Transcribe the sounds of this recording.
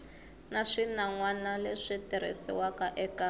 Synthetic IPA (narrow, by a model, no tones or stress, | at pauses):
naʂinaŋwanaleʂitɛɾ̤ḛsḭwakaʔɛka